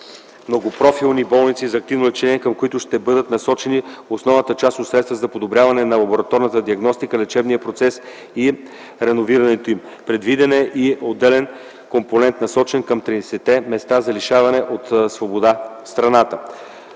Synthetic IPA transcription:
mnoɡopɾɔfilˠnibɔlˠnit̪sizɐk̚t̪ivnoʊlɛt͡ʃɛniɛkəmkoit̪ʊʃt̪ɛbɤd̪ət̪nɐsɔt͡ʃɛniosnɔvnət̪ət͡ʃast̪ot̪sɾɛt̪st̪vəzɐpod̪obɾʲjavɐnɛnɐlˠɐboɾɐt̪ɔɾnɐt̪əd̪iɐɡnɔst̪ikəlɛt͡ʃɛbnijəpɾot̪sɛs | i | ɾɛnoviɾɐnɛt̪oim | pɾɛd̪vid̪ɛnɛʔiod̪ːɛlɛn | komponɛnt̪nɐsɔt͡ʃɛnkəmt̪ɾiɛsɛt̪ɛmɛst̪azɐliʃavɐnɛʔot̪svobod̪afst̪ɾɐnat̪ə

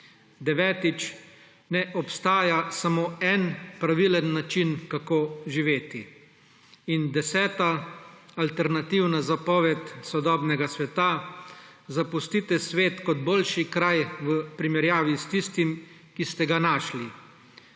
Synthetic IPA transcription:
d̪ɛʋɛːt̪it͡ʃ | nɛʔɔpst̪aːjasamoːɛnpɾaʋilənːat͡ʃinkakoːʒiʋeːt̪i | ind̪ɛsɛːt̪aː | lt̪ɛɾnat̪iwnazapɔːʋɛt̪sɔd̪ɔːbnɛɡasʋɛt̪a | zapust̪it̪ɛsʋeːt̪kɔd̪boːlʃikɾajʋəpɾimɛɾjaːʋist̪ist̪im | kist̪ɛɡanaːʃli

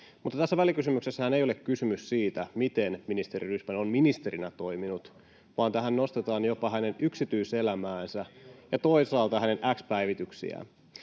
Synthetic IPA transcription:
mut̪ːɑt̪æsːæʋælikysymyksesːæhænejolekkysymyssiːt̪æmit̪enminist̪e̞ɾiryhmænomminist̪e̞ɾinæt̪o̞iminut̪ | ʋɑːnt̪æɦænno̞st̪et̪ɑːnjo̞pɑhæne̞nyksit̪yise̞læmæːnsæjɑt̪o̞isɑːlt̪ɑhæne̞nʔækspæiʋit̪yksḭæ̰

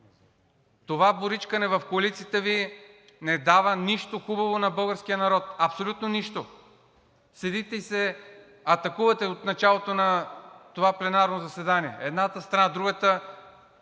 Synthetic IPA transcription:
t̪ovaboɾit͡ʃkɐnɛvɐfkoɐlit̪sijət̪əvi | nɛd̪avəniʃt̪oxubɐvonɐbɤlˠɡəɾskijənɐɾɔt̪̚ɐpsolʲut̪noniʃt̪o | sɛd̪it̪ɛisɛ | ɐt̪ɐkuvɐt̪ɛot̪nɐt͡ʃalˠot̪onɐt̪ovaplɛnaɾnozɐsɛd̪aniɛɛd̪nat̪əst̪ɾɐnad̪ɾuɡət̪ə

